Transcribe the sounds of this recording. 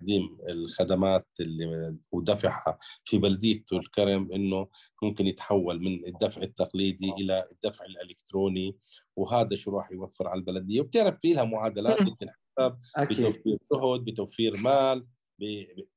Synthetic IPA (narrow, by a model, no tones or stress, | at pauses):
qd̪iːmɪlxad̪amaːt̪ɪlːiwd̪afaħa̰fibalad̪ɪjːat̪ʊlkaɾamʔɪnːʊ | mʊmkɪnjɪt̪ħawːalmɪnɪd̪ːafʕɪt̪ːaqliːd̪iʔɪlad̪ːafʕɪlʔɪlɪkt̪ɾoːniwɦaːd̪aʃuɾˤɑːħjwafːɪɾʕalalbalad̪ɪjːawb̚t̪ɪʕɾɑffiːlhamʊʕaːd̪alaːt̪̚ɪb̚t̪ɪnħasab̚bɪt̪awfiːɾʃʊɦʊd̪̚bɪt̪awfiːɾmaːl | bɪ